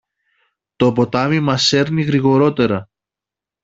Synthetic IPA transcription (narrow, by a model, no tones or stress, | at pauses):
t̪o̞po̞t̪ɐmimɐse̞ɾniɣɾiɣo̞ɾo̞t̪e̞ɾɐ